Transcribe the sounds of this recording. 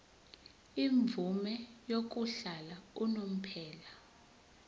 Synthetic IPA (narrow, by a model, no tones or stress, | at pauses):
iɱb̪vumɛjok̬uɬalaunom̩pʰɛːla